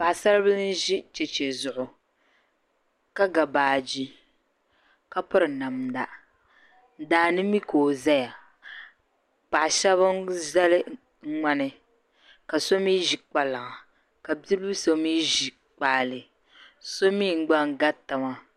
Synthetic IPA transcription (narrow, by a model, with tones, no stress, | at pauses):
pa˨ʔsa˦ɾɨ˦bɨ˦lɨ˦n˦ʒi˦t͡ʃɛ˨t͡ʃe˨zʊ˨ʔʊ˨ | ka˦ɡa˨baː˨d͡ʒi˦ | ka˦pɨ˦ɾɨ˨na˨mda˨ | n̩˨daː˨nɨ˦mi˦koː˨za˦ja˨ | pa˨ʔʃɛ˦βa˦za˦lɨ˦ | ŋ̩˦ŋ͡ma˦nɨ˨ | ka˨so˦miː˦ʒi˨k͡pa˨la˨ŋa˨ | ka˨bi˦bu˦so˦miː˦ʒi˨ | k͡pa˨lɨ˨ | so˦miː˦˨ŋ̩˦ɡ͡ba˦ŋ˦ɡa˦ta˨ma˦